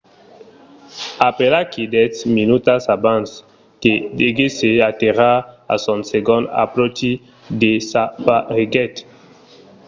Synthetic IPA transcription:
apelakidɛtminutasabãns | kedeɡeseateʁaa̰sɔ̃nseɡɔ̃nda̰pɾoti | desapaʁiɡɛt̪

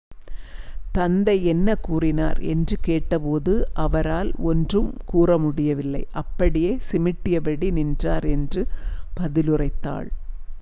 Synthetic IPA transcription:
t̪ɐnd̪ɐɪɛnːɐkuːrɪna̰ːɾɛ̰ndrɯkeːʈːɐpoːðɯʔɐʋɐɾaːlɔndrɯmkuːrɐmʊɽɪjɐʋɪlːɐɪʔɐpːɐɽɪjeːsɪmɪʈːɪjɐbɐɽinɪndraːɾɛndrɯpɐðɪlɯrɐɪt̪ːa̰ːɭ

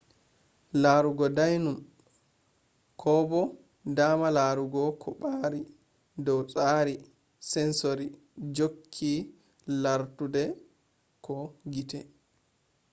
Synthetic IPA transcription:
laːɾuɡɔdajnum | kʰɔbɔ | damalaːɾuɡɔkʰɔɓaːɾi | dɔwsʼaːɾi | sɛnsoɾi | d͡ʒokʰːi | laɾtudɛ | kɔɡitɛ

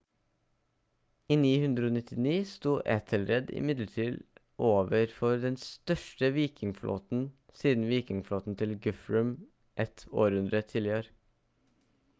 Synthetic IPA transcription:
iːniːhʉnd̪ɾəoːnɪt̪ʰɪniːst̪uːʔɛt̪ʰəlɾɛd̪ɪ̰mɪd̪ləʈʰiːl | ʔoːʋəɾfɔɾd̪ɛnst̪œʂʈəʋiːkɪŋflʔo̰ːt̪n̩ | siːd̪n̩ʋiːkɪŋfloːt̪n̩t̪ʰɪlɡʉfɹʉm | ʔɛt̪ʰo̰ːɾʉnd̪ɾət̪ʰɪːlɪəɾ

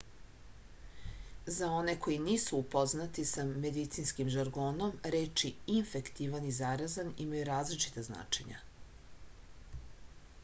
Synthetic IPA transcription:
zao̞ne̞ko̞jiniːsuupo̞znat̪isame̞d̪it̪sinskimʒaɾɡoːno̞mɾeːt͡ʃiiɱfe̞kt̪iʋanizaɾazanimajuɾaːzlit͡ʃi̥t̪azna̰ːt͡ʃe̞ɲa̰

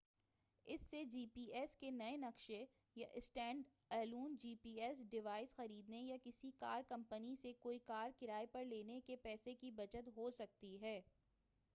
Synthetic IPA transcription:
ɪsːed͡ʒiːpiːʔɛskenɐenɐkʃe | jaʔɪsʈɛ̃ːɳɖ | ɛːluːnd͡ʒiːpiːɛsɖɪʋaːɪsxɐɾiːd̪nejakɪsika̰ːɾkɐ̃mpənisekoːikaːɾkɪɾaːepɐɾleːnekepɛːsekibɐt͡ʃət̪ɦoːsɐk̚t̪iɦɛː

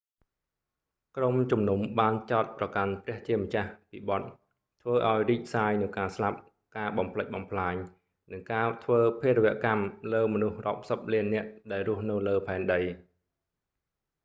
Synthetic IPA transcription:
kromt͡ɕumnumɓaːnt͡ɕaɔt̪̚prɑkanprɛ̆əht͡ɕiəmət͡ɕahpiːɓɑt̪̚ | t̪ʰʋəːʔaɔjriːp̚saːjnɨwkaːslap̚ | kaːɓɑmpʰləc̚ɓɑmpʰlaːɲ | nɨŋkaːt̪ʰʋəːpʰeəɾəʋɛ̆əʔkamləːmɔnuhrŏəp̚səp̚liənːɛ̆əʔɗaɛlrʊ̆əhnɨwləːpʰaɛnɗəj

